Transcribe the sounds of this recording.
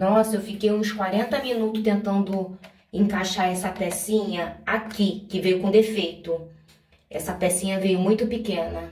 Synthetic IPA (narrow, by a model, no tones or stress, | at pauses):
nɔsɐewfikejũskwaɾẽnt̪ɐmĩnut̪ʊst̪ẽnt̪ɐ̃nd̪ʊ | ẽŋkaʃaɾɛsɐpɛsĩɲɐakikɪvejʊkõd̪efejt̪ʊ | ɛsɐpɛsĩɲɐvejʊmũj̃t̪ʊpikẽnɐ